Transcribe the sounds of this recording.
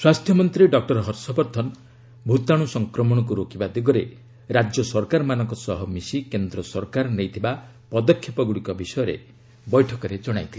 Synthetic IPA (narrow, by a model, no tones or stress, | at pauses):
swast̪ʰjɔmɔnt̪ɾiɖɔk̚ʈɔɾɦɔɾsɔbɔɾt̪ʰɔn | bʱut̪aɽ̃usɔŋkɾɔmɔɽ̃ɔk̬uɾokibad̪iɡɔɾe | ɾad͡ʒjɔsɔɾkaɾmanɔŋkɔsɔɦɔmisikend̪ɾɔsɔɾkaɾnejt̪ʰiba | pɔd̪ɔkʰːjɔpɔɡuɽikɔbisɔjɔɾḛ | bɔjʈʰɔkɔɾed͡ʒɔɽ̃a̰jt̪ʰil